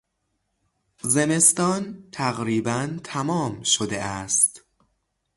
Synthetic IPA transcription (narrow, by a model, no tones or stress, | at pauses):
ze̞me̞st̪ɒːnt̪ʰæɣɾiːbænt̪ʰæmɒːmʃod̪eʔæst̪